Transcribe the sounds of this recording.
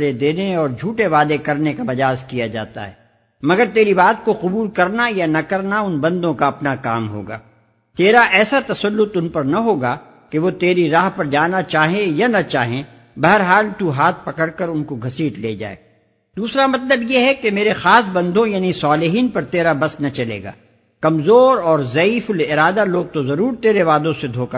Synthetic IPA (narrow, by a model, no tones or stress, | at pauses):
ɾed̪eːneɔːɾd͡ʒʱuːʈeʋaːd̪ekɐɾnekamɐd͡ʒaːzkijad͡ʒa̰ːt̪a̰ɦɛ̰ː | mɐɡəɾt̪eːɾibaːt̪̚koqʊbuːlkɐɾnajanɐkɐɾnaʊnbɐ̃nd̪õkaɐpnakaːmɦo̰ːɡa̰ː | t̪eːɾaʔɛːsat̪ɐsɐlːʊt̪ʊnpɐɾnaɦoːɡa | keʋot̪eːɾiɾaːɦpɐɾd͡ʒaːnat͡ʃaːɦẽjanɐt͡ʃaːɦẽ | bɐɦəɾɦaːlt̪uɦaːt̪̚ʰpɐkəɽkɐɾʊnkoɡʱɐsiːʈleːd͡ʒa̰ːḛː | d̪uːsɾamɐt̪ləbjeɦɛkemeːɾexaːsbɐ̃nd̪ʱõjaːnisaːlɪɦiːnpɐɾt̪eːɾabɐsnɐt͡ʃɐlḛːɡa̰ː | kɐmzoːɾɔːɾzɐiːfʊlɪɾaːd̪aloːɡ̚t̪ozɐɾuːɾt̪eːɾeʋaːd̪õsed̪ʱoːka